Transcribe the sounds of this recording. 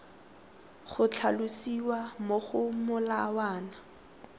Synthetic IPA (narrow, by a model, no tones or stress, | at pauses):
χʊt͡ɬʰalusiwamoχʊmʊlawaːna